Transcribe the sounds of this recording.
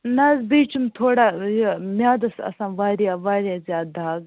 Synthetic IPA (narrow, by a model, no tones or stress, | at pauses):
nɐzbiːt͡ʃʰumt̪ʰoːɽaːjomʲjaːd̪ɐsɐ̰sãːʋaːɾjaːʋaːɾjaːzjaːd̪̚d̪aːɡ